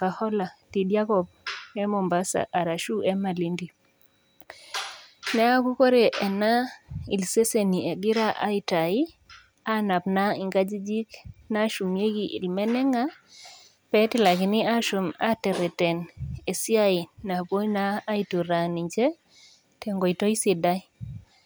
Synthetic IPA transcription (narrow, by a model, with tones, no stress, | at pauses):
ka˨hɔ˦la˨ti˨dja˦kɔ˨b̚ɛ˦mo˨mba˦sa̰˨ʔa˨ɾa˨ʃu˦ɛ˦ma˨li˦ndi˨ | nɛ˦a˦ku˦ko˦ɾe˨ʔɛ˨na˦ḭ˨lse˦se˨ni˨e˨ɡi˦ɾa˦ʔa̰˨˦ɪ˨ta˨i˦ | a˦na˨pna˦ɪ˦ŋɡa˦d͡ʒi˦d͡ʒi˦kna˦ʃu˨mje˦ɡi˨ʔḭ˨lmɛ˦nɛ˦ŋa˦ | pɛ˦ti˦la˨kɪ˨nɪ˦a˦ʃu˨ma˦tɛ˨ɾɛ˨tɛ˨ne˨si˦a˦i˨na˨ko˦naː˦i˨tu˨ɾa˨ni˨ɲd͡ʒɛ˦ | tɛ˨ŋɡɔ˨i˨tɔ˦i˦si˨da˦i˦